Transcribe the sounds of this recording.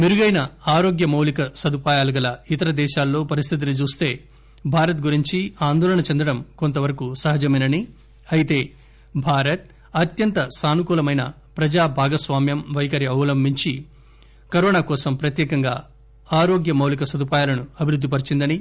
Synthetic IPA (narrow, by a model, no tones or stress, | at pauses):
miɾuɡɐjnɐaːɾo̞ːɡjɐmɐwlikɐsɐd̪upaːjaːluɡɐlɐit̪ɐɾɐd̪ɛːʃaːlːo̞ːpɐɾist̪ʰit̪̬init͡ʃuːst̪e̞ː | bʱaːɾɐt̪̚ɡuɾiɲt͡ʃiaːnd̪ɔːlɐɳɐt͡ʃend̪ɐɽɐmko̞nt̪ɐʋɐɾɐkusɐɦɐd͡ʒɐmɐnɐni | ɐjit̪e̞ː | bʱaːɾɐt̪̚ | ɐt̪jɐnt̪ɐsaːnukuːlɐmɐjnɐ̰ | pɾɐd͡ʒaːbʱaːɡɐsʋaːmjɐmʋɐjkɐɾiɐwlɐmbʱiɲt͡ʃi | kɐɾoːnaːkɔːsɐmpɾɐt̪jɛːkɐŋɡa̰ː | aːɾo̞ːɡjɐmɐwlikɐsɐd̪upaːjaːlɐnuɐbʱiɾud̪ːipɐɾit͡ʃind̪ɐni